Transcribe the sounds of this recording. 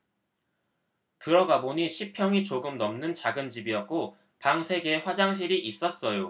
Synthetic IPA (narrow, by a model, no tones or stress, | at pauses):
kɯɾʌɡaboɲiɕʰipʰjʌŋit͡ɕoɡɯmnʌmnɯnt͡ɕaɡɯnd͡ʑibiʌt̚k͈o | paŋsʰe̞ɡeeɸwad͡ʑaŋɕ̬ʰiɾiʔis͈ʌs͈ʌjo